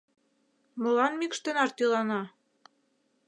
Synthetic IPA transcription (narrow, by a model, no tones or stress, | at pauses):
mɤ̆lɑnmikʃt̪ɤ̆nɑrt̪ilɑnɑ